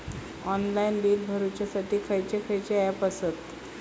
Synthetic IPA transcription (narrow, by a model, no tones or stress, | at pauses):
ɔnlainliːlbʱəɾut͡ɕjasaʈʰiːkʰəjt͡ɕekʰəjt͡ɕeapəsət̪